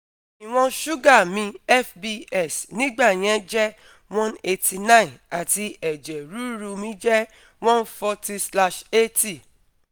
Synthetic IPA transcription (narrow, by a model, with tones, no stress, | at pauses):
i˨w̃ɔ̃˧ʃu˦ɡa˦˨mĩ˧ɛ˦fbi˧ɛ˦˨snĩ˦ɡ͡ba˦˨j̃ɛ̃˨˦d͡ʒɛ˦ | wɔ̃˦ne˧tʰi˧nã˦ĩ˨na˨ti˧ɛ˨d͡ʒɛ˨ɾu˨˦ɾu˧mĩ˦d͡ʒɛ˦ | wɔ̃˦n˦fɔ˧ti˧sla˧ʃe˦ti˦˨